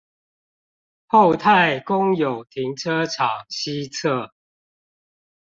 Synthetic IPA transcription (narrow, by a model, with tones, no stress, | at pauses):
ho˥˨ʊt̪ʰa˥˨ɪkʊ˦ŋjo˨˩ʊt̪ʰi˨˦ŋʈ͡ʂʰə˦ʈ͡ʂʰɑ˨˩ŋɕi˦t͡sʰə˥˨